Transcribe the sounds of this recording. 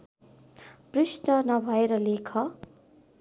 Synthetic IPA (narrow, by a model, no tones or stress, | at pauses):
prisnʌnʌbʱʌeɾʌlekʰʌ